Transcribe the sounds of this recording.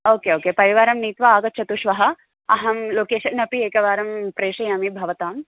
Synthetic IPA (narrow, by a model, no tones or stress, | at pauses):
oːkeːoːkeːpɐɾiʋaːɾɐmniːt̪ʋɐaːɡɐt̪̚t͡ʃʰɐt̪uʃʋɐɦɐ̆ | ɐɦɐmloːkeːʃɐnɐpieːkɐʋaːɾɐmpɾeːʂɐjɐmibʱɐʋɐt̪aːm